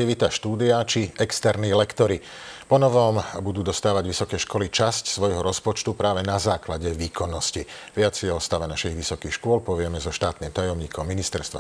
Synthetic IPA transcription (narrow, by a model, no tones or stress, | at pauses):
iʋit̪aʃt̪uːd̪iat͡ʃiɛkst̪ɛɾniːlɛkt̪ɔɾi | pɔnɔʋɔmbud̪uːd̪ɔst̪aːʋaɟʋisɔkɛːʃkɔlit͡ʃascsʋɔjɦɔɾɔspɔt͡ʃt̪upɾaːʋɛnazaːklaɟɛʋiːkɔnːɔsciʋɪat͡sɪɛɔst̪aʋɛnaʃiɣʋisɔkiːxʃkʊɔlpɔʋɪɛmɛzɔʃt̪aːt̪niːmt̪ajɔmɲiːkʰɔmːinist̪ɛɾst̪ʋa